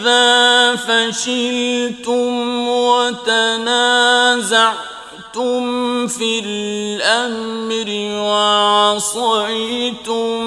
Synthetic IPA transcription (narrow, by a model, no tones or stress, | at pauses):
ðaːfaʃɪlt̪ʊmwat̪anaːzaʕ | t̪ʊmfilʔamɾɪwaʕsˤɑʕit̪ʊm